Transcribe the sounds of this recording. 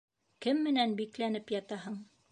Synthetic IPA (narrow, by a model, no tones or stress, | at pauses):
kɘmːɘ̆nænbiklænɘpjɑt̪ɑɦɤɴ